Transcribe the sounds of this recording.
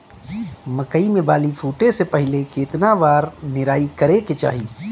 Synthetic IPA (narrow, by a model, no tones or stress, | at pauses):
məkəimẽbaːlifʰuːʈesepəɦɪleket̪nabaːɾnɪɾaːikəɾeket͡ʃa̰ːɦiː